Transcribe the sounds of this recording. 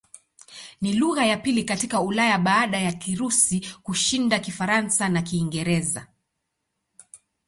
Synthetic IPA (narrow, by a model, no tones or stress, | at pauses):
niluɣajapilikatikaulajaɓaːɗajakiɾusikuʃindakifaɾansanakiːŋɡɛɾɛza